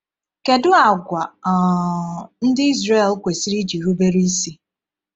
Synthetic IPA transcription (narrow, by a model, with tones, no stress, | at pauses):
ke˨dʊ˦a˨ɡʷa˨ | n̩˦dɪ˦i˦zre˦˨lkʷe˨si˦ɾi˦d͡ʒi˨ɾu˦be˦ɾi˦si˦